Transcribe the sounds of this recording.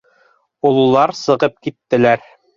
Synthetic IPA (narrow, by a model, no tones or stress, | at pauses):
ulˠulˠɑɾsɤ̆ʁɤp̚kit̪ːɘ̆læɾ